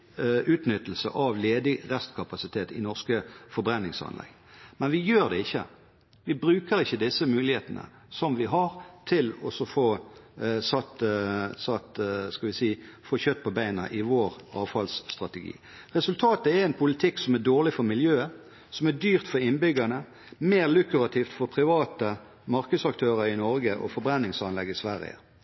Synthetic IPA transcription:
ʉːt̪nʏt̪ːl̩sə̰ʔɑʋleːd̪ɪʁɛst̪kʰɑpɑsɪt̪ʰeːt̪ɪnɔʁskəfɔɾbɾɛnːɪŋsɑ̰nlɛ̰ɡ | mɛnʋɪjøːʁd̪ɛɪçːə̰ | ʋɪbɾʉːkəɾɪçːəd̪ɪsːəmʉːlɪheːt̪ənə̰ | sɔmʋɪɦɑɾt̪ʰɪlɔsɔfoː | sɑt̪sɑt̪skɑʋɪsiːfoːçœt̪̚ːpʰɔbæɪnɑ̰ʔɪʋoːɾɑ̰ːʋfɑlsːt̪ʁɑt̪əɡḭː | ʁɛsʉlt̪ʰɑːt̪əɛɾɛnpʰʊlɪt̪ʰɪksɔmæɖ̪oːʁlɪfɔɾmɪljøːə | sɔmæd̪yːʁt̪fɔɾɪnbʏɡɑnə | meːʁlʉkʉɾɑt̪ʰiːft̪fɔɾpʰɾɪʋɑːt̪ə | mɑɾkəd̪sɑk̚t̪ʰøːɾəɾɪnɔɾɡəʔɔ̰fɔɾbɾɛnːɪŋsɑnlɛɡːɪsʋæɾɪ̰ə̰

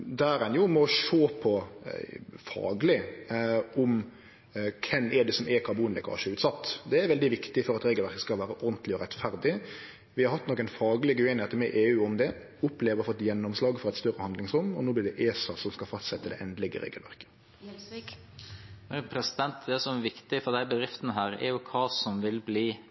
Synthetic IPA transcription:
d̪æːɾɛnjʊmɔʂoːpʰɔ | fɑ̰ːɡlɪ | ʊm | kʰɛmːɛd̪ɛsɔmɛkʰɑbuːnlɛkʰɑ̰nʃəʉːt̪sɑt̪ːd̪ɛæɾʋɛld̪ɪʋɪkt̪ɪfɔɾɑt̪ɾeːɡəlʋæɾkə̥skɑlʋæːɾəʔɔɾd̪n̩t̪lɪɔɾɛt̪fæɾd̪ɪ | ʋɪhɑɾhɑt̪ːnɔkːənfɑːɡlɪɡəʉeːnɪŋeːt̪ːəɾmɛʔeːʉːɔmd̪ɛ | ʊpleːʋəʁfɔt̪ːjɛnːɔmslɑːɡfɔɾɛt̪st̪œɾəhɑnd̪lɪŋsɾʊnɔnoːb̪ɪɖ̪ɛʔeːsɑsɔmskɑlfɑst̪sɛt̪ːəd̪ɛ̰ʔɛnd̪əlɛɡə̰ɾḛːɡəlʋæ̰ɾkə̥ | pʰɾɛsɪd̪ɛnt̪d̪ɛsɔmæʋɪkt̪ɪfɔd̪æɪbəd̪ɾɪft̪nəɦæːɾæ̰jʊkʰɑːsɔmʋɪlbliː

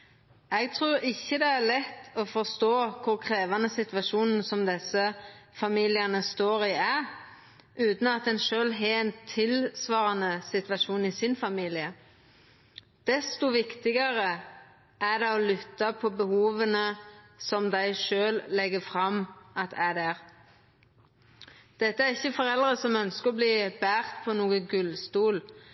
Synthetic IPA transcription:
ɛɡt̪ʰʁuːɾɪçːəd̪ɛæɾlɛt̪ːɔfɔʁst̪oːkʰʊɾkʰɾeːʋɑnəsɪt̪ʋɑʃuːnn̩sɔmd̪ɛsəfɑmiːlɪənəst̪oːɾɪæ | ʔʉːt̪n̩ɑt̪̚ɛnʃøːlɦɛɛnt̪ʰːɪlsʋɑːʁɑnəsɪt̪ʋɑʃuːnɪsɪnfɑmiːlɪə | d̪̥ɛst̪ʊʋɪkt̪ɪɡəʁə | æd̪ɛɔlʏt̪ːɑpʰɔbəhuːʋənəsɔmd̪æɪʃøːllːɛɡəfʁɑmʔɑt̪ʰæd̪æːʁ | d̪̥ɛt̪ːəæʁɪçːəfɔʁɛlʁəsɔmœnskəʁɔbliːb̥æːʁt̪pʰɔnuːəɡʉlst̪uːl

